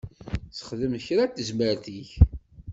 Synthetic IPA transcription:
sə̥χðəmçɾat̪ːəzməɾθiç

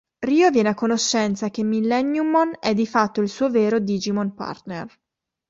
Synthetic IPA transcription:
riːovjɛːnakːonoʃːɛnt̪sak̟emːilːɛnːjumonɛd̪ːifat̪ːoilsuːoveːɾod̪iːd͡ʒimonpa̰rt̪nḛr

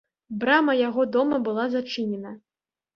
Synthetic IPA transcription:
bɾamɐjaɣɔd̪ɔmɐbɨlˠazat͡ʂɨnʲɛnɐ

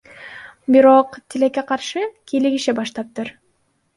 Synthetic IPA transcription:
biɾo̞qt̪ʰilekːeqʰɑɾʃɯkʰiliɡiʃibɑʃt̪ɑp̚t̪ɯɾ

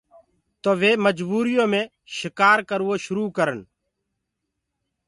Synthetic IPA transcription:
t̪oːʋeːməd͡ʒbuːɾɪjõːmẽː | ʃɪkaːɾkəɾʋoːʃʊɾuːkəɾən

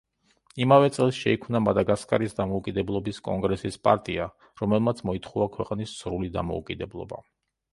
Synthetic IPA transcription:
imavɛt̪sʼɛlˠsʃɛikʰmnamad̪aɡaskʼaɾisd̪amɔukʼid̪ɛblˠɔbiskʼɔ̰ŋɡɾɛsispʼaɾt̪ʼia | ɾɔmɛlˠmat̪sʰmɔit̪ʰχuakʰwɛqʼnisːɾulid̪a̰mɔ̰ṵkʼid̪ɛblˠɔ̰ba̰

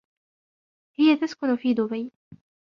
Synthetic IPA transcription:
hɪjat̪askʊnʊfiːd̪ʊbaj

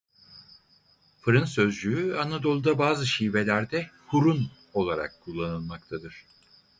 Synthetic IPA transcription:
fɯɾɯnsø̞zd͡ʒyyanad̪o̞lˠud̪abaːzɯʃiːve̞lʲæɾd̪ɛhuɾun | o̞lˠaɾa̰kːʰulˠːanɯlˠmakt̪ʰad̪ɯɾ̥

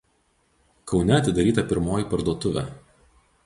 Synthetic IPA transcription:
kɒʊnʲɛɐt̪ʲɪd̪ɐɾʲiːt̪ɐpʲɪɾmoːjiˑpɐɾd̪uɔt̪ʊʋʲæ̰ː

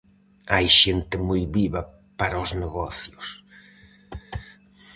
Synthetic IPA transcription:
ajʃent̪ɪmujβiβa | paɾaozneɣɔθjos

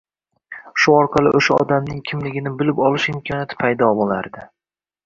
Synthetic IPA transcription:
ʃʊɒɾqʰɑlˠɪ̰ʔoʃaɒ̰d̪amnɪŋkʲʰɪmlɪɡʲɪnɪbɪlɪpɒlˠɪʃɪmkʰɒnjat̪ʰɪ̥pʰajd̪ɒbolˠa̰ɾd̪ɪ

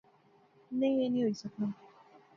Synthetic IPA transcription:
neenĩoisɔk͡pã

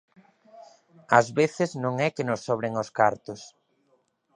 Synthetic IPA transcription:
ɐzβeθɪznõŋɛkenʊsːɔβ̞ɾeŋoskaɾt̪ʊs

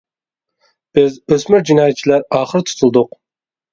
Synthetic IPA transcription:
b̥ɪzøsmɪɾd͡ʒinɑːjɛt̪̚t͡ʃʰilæɾɑːχəɾt̪ʰu̥t̪ʰulˠd̪ʊq

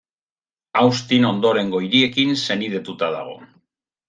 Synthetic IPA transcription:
awst̪ino̞nd̪o̞ɾe̞ŋɡo̞iɾie̞kinse̞niðe̞t̪ut̪aða̰ɣ̞o̞̰

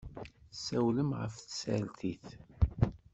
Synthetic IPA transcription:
sːæwləmʁə̰fθəsæ̰lt̪iθ

